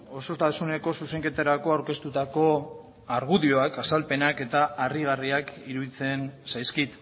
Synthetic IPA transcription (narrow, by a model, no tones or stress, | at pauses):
o̞so̞st̪asune̞ko̞suse̞ŋke̞t̪aɾako̞awɾke̞st̪ut̪ako̞ | aɾɣ̞uðio̞akasalpe̞nake̞t̪aːriɣ̞ariakiɾuðit͡se̞nsajskit̪